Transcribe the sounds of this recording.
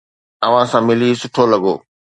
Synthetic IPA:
ɐʋ̤ãsãːmɪlisʊʈʰolɐɡo̰ː

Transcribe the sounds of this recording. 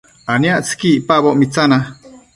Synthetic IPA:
anjaʔt͡skiʔpaβoʔmit͡sana

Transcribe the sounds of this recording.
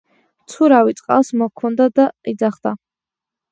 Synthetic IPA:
t͡sʰuɾawit̪sʼqʼa̰lsmɔkʰɔnd̪ad̪aid̪zaχd̪a

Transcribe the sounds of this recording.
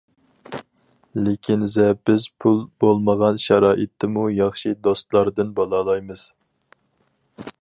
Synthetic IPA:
lekʲʰinzɛb̥ɪzpʰulˠbolˠməʁɑnʃɑɾɑːʔɪt̪ʰːɪmujɑχʃid̪ost̪lˠɑɾd̪ɨnbɑlˠɑlˠɑjmɨz̥

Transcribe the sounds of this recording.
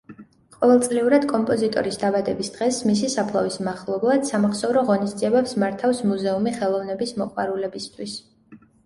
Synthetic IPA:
qʼɔvɛlˠsʼliuɾad̪kʼɔmpʼɔzit̪ʼɔ̰ɾisd̪abad̪ɛbisd̪̥ʁɛsmisisapʰlˠa̰vismaχlˠɔblˠad̪̥samaχsɔvɾɔʁɔnisd̪ziɛbɛpsmaɾt̪ʰafsmuzɛumiχɛlˠɔvnɛbismɔqʼwaɾulɛbist̪ʰwis

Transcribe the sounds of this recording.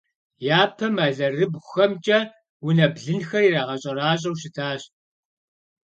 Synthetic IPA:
jaːpʰɐmaːɮɐrɨbʷxɐmt͡ʃʼɐ | wʊnɐbɮɨnxɐriːraːʁɐɕʼɐraːɕ̬ʼɐwʃɪtʰaːɕ

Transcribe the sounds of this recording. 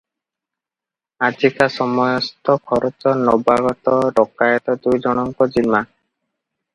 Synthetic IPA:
ad͡ʒikasɔmɔjɔst̪ɔkʰɔɾɔt͡ʃɔnɔbaɡɔt̪ɔɾɔkajɔt̪ɔd̪ujd͡ʒɔɽ̃ɔŋkɔd͡ʒima

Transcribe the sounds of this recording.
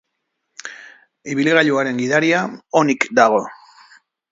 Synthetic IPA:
iβiliɣaʎuaɾe̞ŋɡiðaɾiaonikd̪aɣ̞o̞

